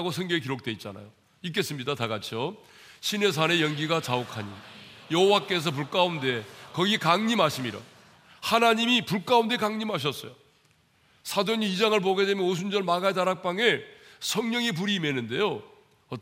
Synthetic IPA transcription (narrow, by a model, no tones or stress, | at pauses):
ɡosʰʌŋɡjʌŋik̬iɾok̚t͈we̞it̚t͡ɕ͈a̰na̰jo | ik̬͈e̞s͈ɯmɲidataɡat͡ɕʰo | ɕʰine̞s̬ʰane̞jʌŋɡiɡat͡ɕaokʰaɲḭjʌɦowak͈e̞s̬ʰʌp̬uɭk͈aunde̞kʌɡikaŋɲimɦaɕʰimiɾʌ̰ | hanaɲimipuɭk͈aunde̞kaŋɲimɦaɕ̬ʰʌs͈ʌ̰jo | sʰadoɲiːd͡ʑaŋɯɭp̬oɡe̞de̞mjʌnos̬ʰund͡ʑʌɭmaɡaetaɾak̚p͈aŋɯɭsʰʌŋɲʌŋip̬uɾiːme̞nːɯnde̞jo | ʌ